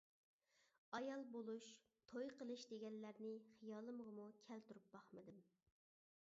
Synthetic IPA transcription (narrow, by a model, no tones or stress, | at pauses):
ɑjɑlˠbolˠuʃ | t̪ʰojqəlˠɨʃd̪eɡʲɛnlːæɾnɪχijɑːlˠɨmʁəmukʲʰælt̪uɾup̚bɑχmɨd̪ɨm